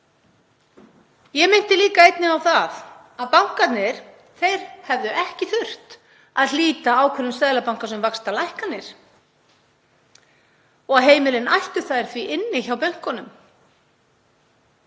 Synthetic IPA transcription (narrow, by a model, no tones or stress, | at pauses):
jɛmɪn̥t̪ɪliːkaejt̪nɪawθaθ | aðpawŋ̥kat̪nɪɾ̥ | θejɾ̥hɛvðʏʔɛhcɪθʏr̥t̪ | aðliːt̪aawkʰvɛɾʏmsɛðlapawŋ̥kasɛmvakst̪alajhkat̪nɪɾ̥ | ɔɣaɦeːjmɪlɪnajht̪ʏθaðɾ̥θviʔɪnːɪçawpœŋ̥kɔnʏm